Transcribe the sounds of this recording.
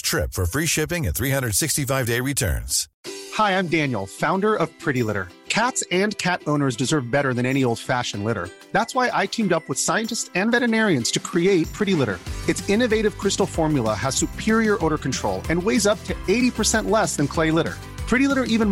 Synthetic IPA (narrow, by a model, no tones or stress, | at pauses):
tʰɹ̥ɪ̰pfə˞fɹiʃɪpɪ̃ŋɨ̃t̪θɹihʌ̃ndɹəd̥sɪkstifaɪvdeɪɹitʰɜ̰̃˞nz̥ | haɪãɪ̃mdæ̃njl̩ˠfãʊ̃ndə˞ʌv̥pʰɹ̥ɪɾilɪɾə̰˞ | kʰætsɨ̃nkʰæɾõʊ̃nə˞zdɨzɜ˞vbɛɾə˞ðɨ̃ñɛñioʊlˠd̥fæʃɨ̃n̩lɪɾə̰˞ | ðætswaɪʔaɪkʰĩmdʌpwəð̥saɪɨ̃ntɨstsɨ̃nvɛɾɨnɛɹiɨ̃nz̥tʰɨkʰɹ̥ieɪt̚pʰɹ̥ɪɾilɪɾə̰˞ɨtsɪ̃nɨveɪɾɨv̥kʰɹ̥ɪstl̩ˠfɔɹmjlˠəəz̥sʉpʰɪɹiə˞ʔoʊɾə˞kn̩tʰɹ̥oʊlˠɨ̃nweɪzʌp̚tʰɨeɪɾipʰə˞sɛ̃nʔlɛsðɨ̃nkʰl̥eɪlɪɾə̰˞ | pʰɹ̥ɪɾilɪɾə˞ʔivɨ̃n